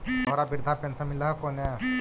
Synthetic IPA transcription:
ɔɾabiɾd̪ʱapant͡samilaɦkona

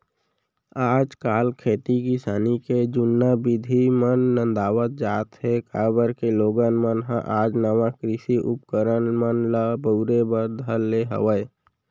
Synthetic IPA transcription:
aːd͡ʒkaːlkʰeːt̪ikɪsaːniked͡ʒʊnːabid̪ʱimənːə̃nd̪aːwət̪̚d͡ʒaːt̪ɦekaːbəɾkeloːɡənmənɦãʔaːd͡ʒnəʋãkɾɪsiʔʊp̚kəɾənmənlabəɾebəɾd̪ʱəlːeɦə̰ʋəe

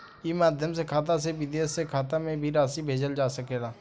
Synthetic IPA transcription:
jemaːd̪ʱjəmsekʰaːt̪as̬eʋɪd̪eːsːekʰaːt̪amẽbʱiɾaːsibʱeːd͡ʒəld͡ʒaːsəkeːɡaː

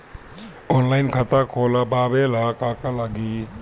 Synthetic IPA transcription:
ɔːnlaɪnkʰət̪akʰoːlabaːbelakakalaɡi

